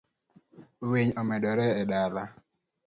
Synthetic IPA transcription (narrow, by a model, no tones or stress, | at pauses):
weɲɔmɛdɔɾɛːdala